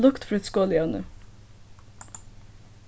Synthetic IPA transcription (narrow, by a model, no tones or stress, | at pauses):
lʊkt̪fɾɛt̪skoːlɪœnə̰